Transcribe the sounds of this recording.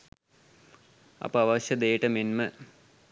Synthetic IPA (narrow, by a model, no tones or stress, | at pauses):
ɐ̰pəɐʋɐɕjɐd̪eːʈɐmenmɨ